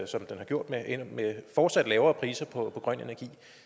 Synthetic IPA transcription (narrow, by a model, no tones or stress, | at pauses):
sɒ̽md̥enhɑ̈ɡ̥jo̝ɐ̰d̥meenmefɒːd̥sæd̥lɛːʊɐːpʰʁiːsɐpʰɒ̽pʰɒ̽ɡ̥ʁɶn̰e̝næɐɡ̥ḭː